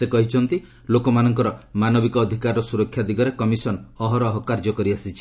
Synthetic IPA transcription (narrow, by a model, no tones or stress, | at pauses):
sekɔɦit͡ʃʰɔnt̪i | lokɔmanɔŋkɔɾɔmanɔbikɔːd̪ʱikaɾɔsuɾɔkʰːjad̪iɡɔɾekɔmisɔnɔɦɔɾɔɦɔkaɾd͡ʒɔkɔɾiasit͡ʃʰi̥